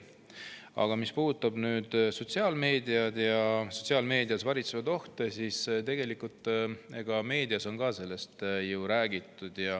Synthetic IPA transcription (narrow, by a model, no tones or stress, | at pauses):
ɑ̰ɡ̥ɑmispuːd̪ut̪ːˑɑb̥nyːd̪̥so̞t̪siɑːlme̞ːd̪iɑd̪jɑso̞̥t̪ʲsiɑːlme̞ːd̪ijɑsvɑɾit̪sevɑd̪o̞ht̪esist̪e̞ɡ̥e̞likult̪ˑeɡ̥ɑme̞ːd̪̥iɑso̞nkɑːse̞lːe̞st̪juɾæːɡit̪ːˑud̪̥jɑ